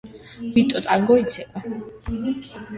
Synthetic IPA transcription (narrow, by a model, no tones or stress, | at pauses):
vit̪ʼɔt̪ʼaŋɡɔit̪sʰɛbʼa